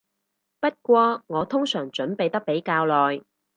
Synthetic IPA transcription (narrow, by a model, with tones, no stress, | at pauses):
pɐ˥t̚kʷɔː˧ŋɔː˨˧t̪ʰʊ˥ŋsœː˨˩ŋt͡ʃɵ˨˥npe˨jt̪ɐ˥k̚pe˨˥jkaː˧wlɔː˨j